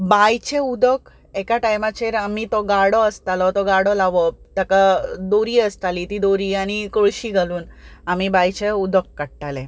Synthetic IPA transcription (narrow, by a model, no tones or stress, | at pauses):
bajt͡ɕeud̪ʱək | ekaʈajmat͡ɕeɾamit̪ɔɡaɽɔəst̪alɔt̪ɔɡaɽɔlaʋɔt̪akad̪oɾiːəst̪alit̪id̪oɾiːaɽ̃ikoɭɕiːɡʱaluːnamibajt͡ɕeud̪ʱəkːəɽʈalẽ